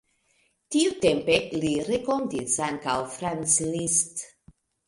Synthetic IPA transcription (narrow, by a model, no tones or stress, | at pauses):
t̪iut̪empelirekond̪isaŋkawfɾanslist̪